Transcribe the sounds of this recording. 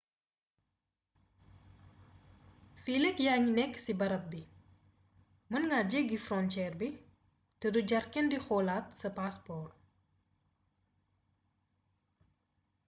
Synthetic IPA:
filɛkjaɲinɛksibɐɾɐp̚bi | mənŋad͡ʒəɡifrɔnt͡ʃɛrbi | təduɟarkɛndixolatsəpaspɔr

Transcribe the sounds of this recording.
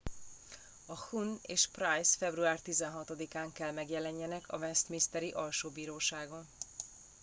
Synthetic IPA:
ɒhuneːʃprajsfɛbruaːrt̪izɛnɦɒt̪od̪ikaːŋkɛlmɛɡjɛlɛɲːɛnɛkʰɒ̰vɛst̪mist̪ɛɾiʔɒlʃoːbiːɾoːʃaːɡo̞n

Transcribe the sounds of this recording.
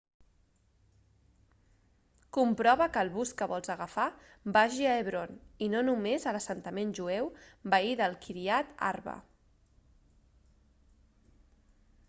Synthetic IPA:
kumpɾɔβəkəːlˠβuskəβɔlˠzəɣəfa | baʒiəeβ̞ɾoninonumezələsənt̪əmenʲʒuewbaiðəlˠkʰiɾiat̪a̰rβə̰

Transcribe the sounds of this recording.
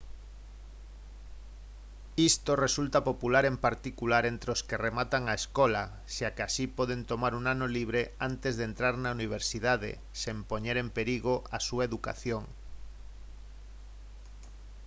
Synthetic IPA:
ist̪oresult̪apopulaɾempaɾt̪ikulaɾent̪ɾeoskeremat̪aŋaeskola | ʃakeasipoð̞ent̪omaɾuŋanoliβ̞ɾeant̪ezðent̪ɾaɾnauniβ̞eɾsiðað̞ḛ | sempoɲeɾempeɾiɣoʔasuaeðuka̰θjoŋ

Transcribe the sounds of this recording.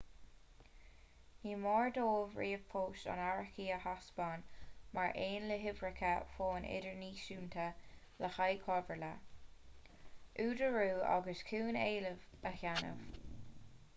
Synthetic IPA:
niːmɔːɹd̪oːvɹiːəfʰoːʃa̰naɹəkiːəhasbɑːnmaɹʔeːnləɦɪvɹɪkʰəfoːnʔɪ̰dəɹniːʃuːnt̪ʰə | ləxajkʰɔvəɹlə | ʔuːdəɹuːa̰ɡəskʰuːneːləvəhanə̰v̥

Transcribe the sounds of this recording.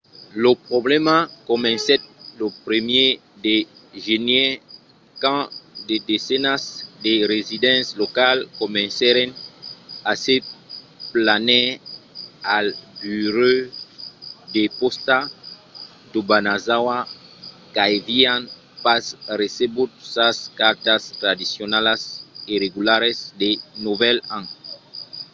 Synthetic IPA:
lopʁɔblɛmakɔmɛ̃nsɛt̚lopɾemje | deʒenje | kɑ̃dedesenasdeɾezidɑ̃slɔkalkɔmɛ̃nsɛɾɛ̃n | ase | planɛ | albyɾø | d̪epɔst̪a | d̪obanazawa | kajvian | pasresebut̪saskaɾt̪ast̪ɾad̪isjonalasiɾeɡulaɾesd̪enuvɛlãŋ

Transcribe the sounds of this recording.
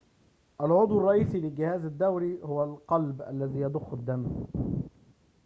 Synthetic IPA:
ʔalʕʊd̪ˤwɑrˤɑʔiːsilɪɡɪhæːzad̪ːawɾihʊwalqɑlbʔa̰lːæðiːjɑd̪ʊxːad̪ːam

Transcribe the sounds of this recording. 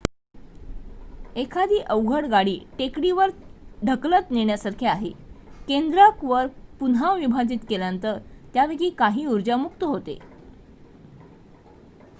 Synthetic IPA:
ekʰad̪ʱiːʔəwɡʱəɽɡaɽiːʈekɽiʋəɾɖʱəklət̪neɳjasaɾkʰeaɦekend̪ɾakʋəɾpunaʋʋibʱad͡ʑit̪keljant̪əɾt̪jaʋeɡiːkaɦiːuɾd͡ʑamukt̪əɦot̪ḛ

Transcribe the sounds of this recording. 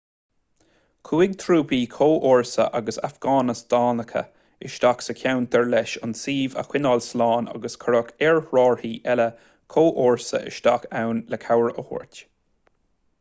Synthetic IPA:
kʰuːɪɡ̚t̪ʰɾuːpiːkʰoːʔoːɹsə̰ʔaɡəsa̰fɡ̥ɑːnəsd̪̥ɑːnəkʰə̰ | ɪʃt̪aksəkʰʲawnt̪ʰɛɹlɛʃʊnsiːvə̰xwɪnɔːlslɑːna̰ɡəskʰəɹəkɛɹɹɑːɹhiːʔɛlə | kʰoːʔoːɹsə̰ʔɪ̰ʃt̪akawnləkʰawəɹəho̰ɹtʲ

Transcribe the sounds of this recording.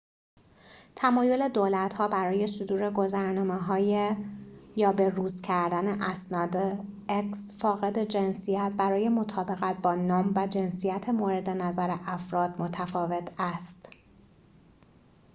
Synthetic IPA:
t̪ʰæmɒːjo̞le̞d̪oːlæt̪hɒːbæɾɒːje̞sod̪uːɾe̞ɡo̞zæɾnɒːmeɦɒːjejɒːbe̞ruːzcʰæɾd̪æne̞ʔæsnɒːd̪eeksfɒːɣe̞d̪e̞d͡ʒe̞nsijæt̪̚bæɾɒːje̞mot̪ʰɒːbe̞ɣæt̪̚ʰbɒːnɒːmvæd͡ʒe̞nsijæt̪ʰemoːɾe̞d̪e̞næzæɾeʔæfɾɒːd̪̥mo̞t̪ʰæfɒːve̞t̪ʰæst̪

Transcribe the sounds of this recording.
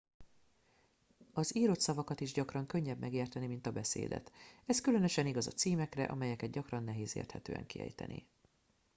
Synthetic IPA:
ɒziːɾo̞t̪sɒvɒkɒt̪iʒɟɒkrɒŋkøɲːɛbmʔɛɡeːrt̪ɛnimint̪ɒbɛsḛːd̪ɛ̰t̪ɛskylø̞nø̞ʃɛniɡɒzɒ̰t̪siːmɛkrɛ̰ʔɒ̰mɛjɛkɛd̪̚ɟɒkrɒnːɛɦeːzḛːrt̪hɛt̪øːɛ̰ŋkiɛ̰jt̪ɛ̰nḭ

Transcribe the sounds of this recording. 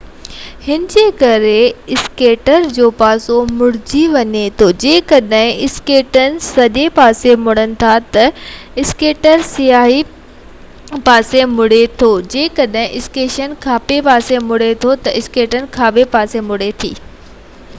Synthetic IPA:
hɪnɪd͡ʑeːkɐɾeɪskeːʈəɾd͡ʑoːpaːsomʊɽ̤ɪd͡ʑiʋɐɲet̪ʰod͡ʑeːkɐɗɦɪ̃ɪskeːʈənɪ̆sɐʄepaːsemʊɽənɪ̆t̪ʰat̪ɐɪskeːʈəɾsijaːɦi | paːsemʊɽet̪ʰod͡ʑeːkɐɗɦɪ̃ʔɪskeːʃənkʰaːpepaːsemʊɽ̤et̪ʰot̪ɐʔɪskeːʈənɪ̆kʰãːbepaːsemʊɽ̤et̪ʰḭː

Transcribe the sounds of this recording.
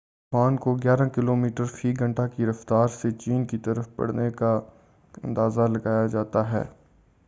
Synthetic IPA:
paːnkoɡjaːɾãkɪloːmiːʈəɾfiːɡɐ̃ɳʈakiɾɐft̪aːɾset͡ʃiːnkit̪ɐɾəfpɐ̰ɽ̤neka | ɐ̰̃nd̪aːzalɐɡaːjad͡ʒaːt̪aɦɛ̰ː

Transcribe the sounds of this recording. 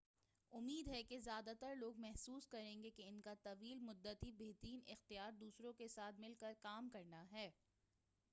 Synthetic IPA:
ʊmːiːd̪ɦɛkezjaːd̪at̪əɾloːɡ̚mɛɦsuːskɐɾẽːŋɡekeɪnkat̪ɐʋiːlmʊd̪ːət̪ibeːɦt̪ɾiːnɪxt̪ijaːɾd̪uːsɾõkesaːt̪̚ʰmɪlkəɾkaːmkɐɾnaɦɛː

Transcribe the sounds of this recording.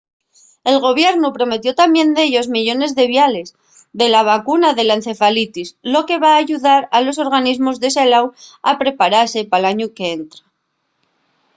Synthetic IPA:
e̞lɣ̞o̞β̞je̞ɾnupɾo̞me̞t̪jo̞t̪amje̞nd̪e̞ʎo̞zmiʎo̞ne̞zðe̞βjale̞z | ðe̞laβ̞akunaðe̞lan̟θe̞falit̪islo̞ke̞βaːʝuðaɾalo̞so̞ɾɣ̞anizmo̞zðe̞selawapɾe̞paɾase̞palaɲuke̞ent̪ɾa

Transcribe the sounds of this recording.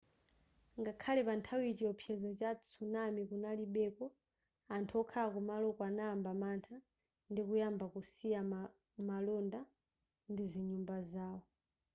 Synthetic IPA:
ŋɡakʰalɛpantʰawit͡ʃiɔpʰjɛzɔt͡ʃat͡sʰunamikunaliɓɛkɔ | antʰuɔkʰakumalɔkwanaːmbamantʰa | ndikujambakusija | malɔnda | ndiziɲumbazaːwɔ

